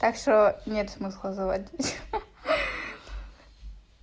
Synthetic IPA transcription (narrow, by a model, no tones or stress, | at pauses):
t̪akʂt̪onʲet̪smɨslˠɐzɨvatʲtʲ